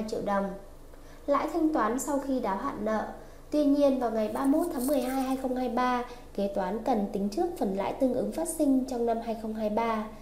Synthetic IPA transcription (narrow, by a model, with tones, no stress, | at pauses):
jt͡ɕḭ˧˨əwɗə˨˩wŋ͡m | la̰ː˧˥jt̪ʰa˧jŋ̟t̪waː˨˦nsa˧wxi˧ɗaː˨˦wɦa̰ː˧˨nnə̰ː˧˨ | t̪wi˧ɲi˧ənvaː˨˩wŋa˨˩jɓaː˧mo˦˥t̚t̪ʰaː˨˦ŋmɨ˨˩əjɦaː˧jhaː˧jxə˧wŋ͡mhaː˧jɓaː˧ | ke˨˦t̪waː˨˦nkə˨˩nt̪ï˨˦ŋ̟t͡ɕɨ˦˥ək̚fə˨˩nla̰ː˧˥jt̪ɨ˧əŋʔɨ˨˦ŋfaː˦˥t̚sï˧ŋ̟t͡ɕɔ˧wŋ͡mna˧mhaː˧jxə˧wŋ͡mɦaː˧jɓaː˧